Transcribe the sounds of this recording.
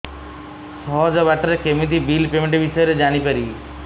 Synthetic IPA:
sɔd͡ʒɔbaʈɾekemit̪̬ibilpemeɳʈibiʃɔjɾed͡ʒaɽ̃ipəɾiː

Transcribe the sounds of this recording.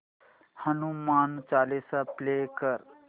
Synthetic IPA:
hənumaːnt͡ʃaːlesaplekəɾ

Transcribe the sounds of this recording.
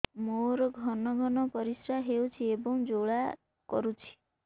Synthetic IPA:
moɾɔɡʱɔnɔɡʱɔnɔpɔɾisɾaɦewt͡ʃʰiebɔŋd͡ʒoɭa | kɔɾut͡ʃʰi̥

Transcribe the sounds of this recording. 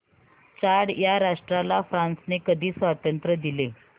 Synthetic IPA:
t͡ɕaɽjaɾaʂʈɾalafɾãnsnekəd̪ʱiːsʋat̪ənt̪ɾəd̪ile

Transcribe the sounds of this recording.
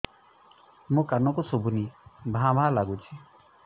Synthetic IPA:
mũkanɔkusobʱunibʱãbʱalaɡut͡ʃʰi

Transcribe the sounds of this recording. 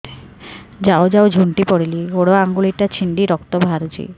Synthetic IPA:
d͡ʑaod͡ʒaowd͡ʑʱuɳʈipoɽiliɡoɽoaŋɡuliʈat͡ɕʰiɳɖiɾɔkt̪obʱaɾud͡ʒḭ

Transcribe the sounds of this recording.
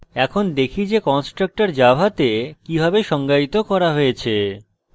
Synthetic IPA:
ɛkʰond̪ekʰid͡ʑekɔnsʈɾak̚ʈaɾd͡ʑabʱat̪ekibʱabeʃɔŋɡait̪okɔɾaɦojet͡ɕʰe

